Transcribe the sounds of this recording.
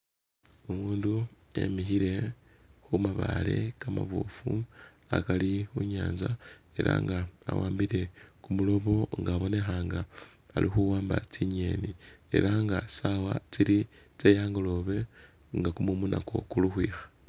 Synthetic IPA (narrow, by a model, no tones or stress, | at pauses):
umuːndu | e̞̰mixiɾe̞ | xumaβale̞̰kama̰βo̰fu | akalixuɲaːnza | e̞ɾa̰ŋɡaːwaːmbiɾe̞kumulo̞βo̞ŋɡaːβo̞ne̞xaːŋɡaː | lʔixuwaːmba̰t͡siɲe̞ːnie̞̰ɾaŋɡasawat͡siɾi | t͡sejaːŋɡolo̞βe̞ | ŋɡakumumunʔako̞̰kuluxwiːxḁ